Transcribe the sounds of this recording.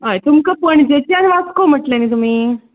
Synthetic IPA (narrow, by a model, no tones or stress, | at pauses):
ɦajt̪umkəpəɳd͡ʑet͡ɕanʋat͡skom̤əʈlemiːt̪̬um̤iː